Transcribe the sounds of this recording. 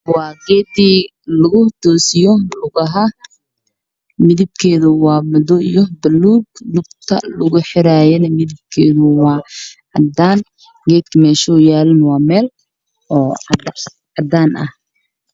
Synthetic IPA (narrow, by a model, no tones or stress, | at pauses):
wɑːɡɛːd̪iː | lʊɣʊd̪̥ɔːsɪjɔlʊɣɐɦɐ | mɪðɪb̚kʰɛːðʊwɑːmɔðɔijɔbɐluːɡ̚lʊb̚kʰɐ̰lʊɣʊħɪɾaːjɛnɐmɪðɪb̚kʰɛːðʊwɑːʕɑd̪aːn | ɡɛːd̪̚kʰɐmɛːʃɔʊjaːlɪnwɑːmɛːl | ɔːɑd̪ | ʕɑd̪aːnʔɐ̰h